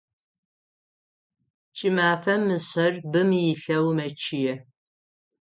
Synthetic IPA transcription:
t͡ʃʼɪmaːfɐmɨsɐrbɨmjɪɬɐwmɐt͡ʃʰɪjɛ

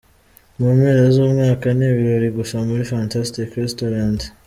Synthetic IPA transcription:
mumheːɾezoːmŋaːkaneːβiɾo̞ɾiɡuʃamuɾifantastikɾestoɾand

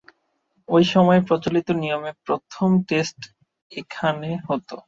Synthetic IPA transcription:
ojʃɔmɔepɾot͡ɕolit̪onijomepɾot̪ʰomʈesʈ | ekʰaneɦɔt̪o

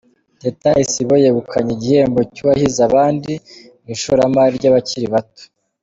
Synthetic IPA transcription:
detaisiβojeβukʰaɲiɟihe̞ːmbocuβahizaβaːndi | miʃuɾamaɾiɾɟaβaciɾiβato̥

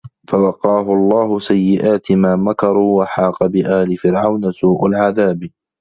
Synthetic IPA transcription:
fawɑqːɑːɦʊɑlˤːɑːɦʊsajːɪʔaːt̪ɪmaːmakɑɾˤuːwaħɑːqɑbɪʔaːlɪfɪɾʕawnasuːʔalʕaðaːb

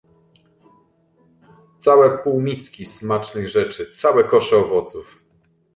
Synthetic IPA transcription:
t̪sawɛpuwmʲiskʲismat͡ʂnɘɣʐɛt͡ʂɘt̪sawɛkɔʂɛɔvɔt̪suf

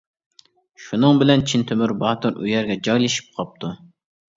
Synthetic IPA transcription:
ʃunɨŋbɪlɛnt͡ʃʰint̪ʰømyɾbɑːt̪uɾy̰jɛɾɡʲɛd͡ʒɑjlɪʃi̥p̚qʰɑp̚t̪ʰu

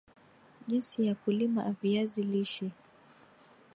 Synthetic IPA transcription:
ʄinsijakulima̰ʔːviaziliʃi

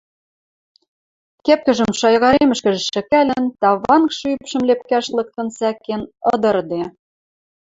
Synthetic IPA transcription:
kep̚kɘ̆ʒɘ̆mʃɑjɣɑɾemɘ̆ʃkɘ̆ʒɘ̆ʃɘ̆kælʲɘ̆nt̪ɑβɑnkʃɤypʃɘ̆mlep̚kæʃlɤ̆k̚t̪ɤ̆nsækenɤ̆d̪ɤ̆rd̪e

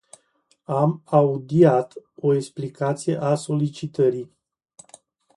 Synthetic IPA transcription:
amaud̪iat̪o̞eksplikat̪sijeʔaso̞lit͡ʃit̪əɾij

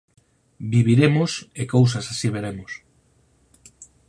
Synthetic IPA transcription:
biβiɾemosekows̬asasiβeɾemos

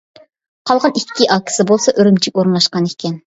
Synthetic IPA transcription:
qʰɑlˠʁɑnikʲʰːiʔɑkʲʰi̥sɪbolˠsɑʔøɾymt͡ʃʰikʲoɾɨnlˠɑʃqɑnekʲʰɛn

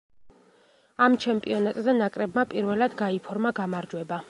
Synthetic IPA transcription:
amt͡ʃʰɛmpʼiɔnat̪ʼzanakʼɾɛbmapʼiɾvɛlad̪ɡaipʰɔɾmaɡamaɾd͡ʒwɛba

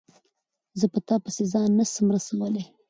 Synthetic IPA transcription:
zəpət̪ɑpəsezɑnːasəmɾasawəle

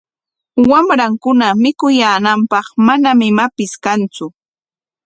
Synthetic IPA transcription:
wamɾaŋkʊnamɪkʊjaːnampɑχmanamɪmapɪskant͡sʊ

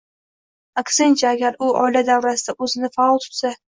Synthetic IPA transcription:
aksent͡ʃʰaːɡʲaɾʊɒ̰jlad̪awɾasɪd̪aʔɵzɪnɪfaɒlˠt̪ʰʊ̥t̪sa

